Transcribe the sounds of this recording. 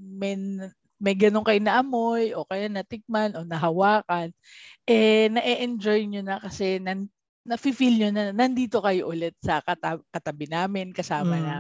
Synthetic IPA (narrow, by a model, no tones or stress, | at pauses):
mɛn | mɐjɡɐnoŋkɐjonɐʔɐmo̞jʔo̞kɐjanɐt̪ɪk̚manʔo̞nɐɦɐwaːkɐn | ʔɛnɐʔɛʔɛnd͡ʒojɲonɐkɐsɛnɐn | nɐfɪfilɲonɐnɐnd̪iːt̪o̞kɐjo̰ʔʊlɛt̪̚sɐkɐt̪akɐt̪ɐbɪnaːmɪnkɐsaːmɐnɐ